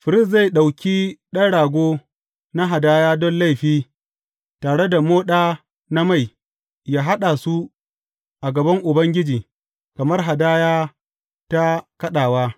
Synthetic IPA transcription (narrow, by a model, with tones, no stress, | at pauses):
ɸɪ˨ɾɪ˦˨s̬za˦˨jɗa˨wkʲiː˦ɗɐ˦ɽaː˨ɡʷoː˦ | na˦ɦa˨daː˦jaː˦dɔ˦nla˦˨jɸiː˦ | taː˨ɽe˦da˨moː˦ɗaː˦ | na˦ma˦˨j | jaː˦ɦa˦ɗa˨su˦ | ʔa˨ɡɐ˨bɐ˦ŋʔʊ˨bɐ˦ŋɡʲɪ˦d͡ʒiː˨ | kɐ˨mɐ˦rɦa˨daː˦jaː˦ | ta˦kɐ˦ɗaː˨waː˦